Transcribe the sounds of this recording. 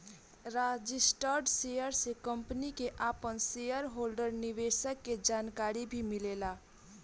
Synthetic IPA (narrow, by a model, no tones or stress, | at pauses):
ɾad͡ʒɪsʈəɾɖsejəɾsekəmpnikeʔaːpənsejəɾɦoːlɖəɾniʋesəkːed͡ʒaːnkaːɾibʱimɪleːla